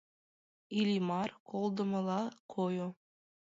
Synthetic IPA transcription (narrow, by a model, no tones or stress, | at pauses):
ilʲimɑrkolˠd̪ŏmɤ̆lˠɑkʰojo